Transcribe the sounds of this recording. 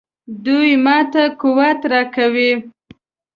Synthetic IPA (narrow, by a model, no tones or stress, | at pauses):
d̪ujmɑt̪akʊwat̪ɾɑkawi